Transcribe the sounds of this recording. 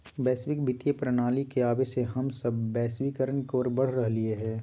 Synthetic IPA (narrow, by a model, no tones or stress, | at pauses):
bɛːswɪkbʱɪt̪jepɾɐnaːlikeaːbeseɦɐmsɐbːɛːswiːkəɾənkoːɾbɐɽ̤ɾɐɦlieɦɛ̃ː